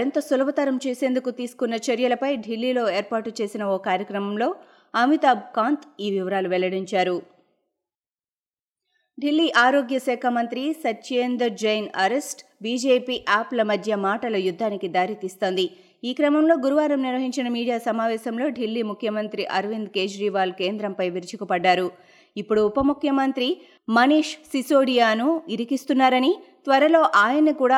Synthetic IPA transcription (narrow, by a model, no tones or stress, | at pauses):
int̪ɐsulɐʋɐt̪ɐɾɐmt͡ʃe̞ːseːnd̪ukut̪iːsu̥kunːɐt͡ʃɐɾjɐlɐpɐjɖʱilːiːlo̞ːe̞ːɾpaːʈut͡ʃe̞ːsinɐoːkaːɾjɐkɾɐmɐmlo̞ː | ɐmit̪aːb̚kaːnt̪iːʋiʋɐɾaːluʋɛlːɐɽiɲt͡ʃaːɾu | ɖʱilːiːʔaːɾoːɡjɐsɛːkʰɐmɐnt̪ɾisɐtːt͡ʃeːnd̪ɐɾd͡ʒɐjnɐɾesʈbiːd͡ʒeːpiːʔaːplɐmɐd̪ʱjɐmaːʈɐlɐjud̪ʱːaːnikid̪aːɾit̪iːst̪o̞ːnd̪i | iːkɾɐmɐmlo̞ːɡuɾuʋaːɾɐmniɾʋɐɦiɲt͡ʃinɐmiːɽijaːsɐmaːʋɛːsɐmlo̞ːɖʱilːiːmukʰjɐmɐnt̪ɾiʔɐɾʋind̪ke̞ːd͡ʒɾiːʋaːlke̞ːnd̪ɾɐmpɐjʋiɾit͡ʃikupɐɖːaːɾu | ipːuɽuːpɐmukʰjɐmɐnt̪ɾi | mɐniːʂsisoːɽijaːnuiɾikist̪unːaːɾɐnit̪ʋɐɾɐlo̞ːʔaːjɐnɐkuːɽaː